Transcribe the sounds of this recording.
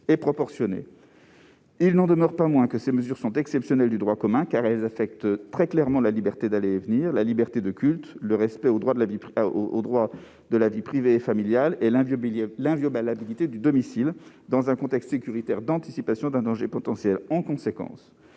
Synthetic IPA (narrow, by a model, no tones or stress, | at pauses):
epχɔpɔʁsjɔnḛ | ilnɑ̃d̪əmœʁpamwɛ̃kəseməzyʁsɔ̃t̪ɛksɛpsjɔnɛld̪yd̪ʁwakɔmɛ̃kaʁɛlzafɛk̚t̪t̪χɛklɛʁmɑ̃lalibɛʁt̪ed̪alevniʁlalibɛʁt̪ed̪əkʲylt̪ləʁɛspɛod̪ʁwad̪əlavio̰d̪ʁwa | d̪əlavipχiveːfamiljalellɛ̃vjɔbalabilit̪ed̪yd̪ɔmisil | d̪ɑ̃zɛ̃kɔ̃t̪ɛkst̪sekʲyʁit̪ɛʁd̪ɑ̃t̪isipasjɔ̃d̪ɛ̃d̪ɑ̃ʒepɔt̪ɑ̃sjɛlɑ̃kɔ̃sekɑ̰̃s